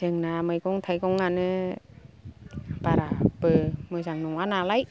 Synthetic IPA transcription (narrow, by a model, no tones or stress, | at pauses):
əŋnaməjkoŋt̪ʰajkoŋanɯ | paɾapəməsaŋnuŋwanalaj